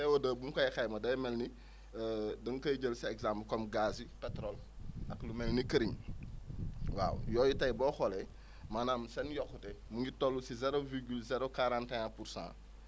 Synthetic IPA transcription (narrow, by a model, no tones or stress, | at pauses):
ɛwodəːbumkɐjxajmɐdɐjmɛlni | dɐŋkɐjɟəlsiɛkzamplkɔmɡaːsipɛtɾolʔɐklumɛlnikəɾiɲ | wa̰ːwjɔːjitɐjbɔːxɔlɛ | manaːmsɛnjɔkːutɛmuɲitolːusizɛɾoviɾɡylzɛɾokaɾãːntaapuɾsã̰ː